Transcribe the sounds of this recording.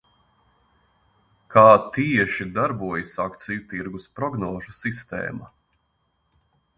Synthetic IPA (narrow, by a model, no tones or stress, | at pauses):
kʰaːt̪iɛʃid̪aɾbuɔjisakt̪sijut̪iɾɡuspɾɔɡnɔːʒusist̪ɛ̰ːma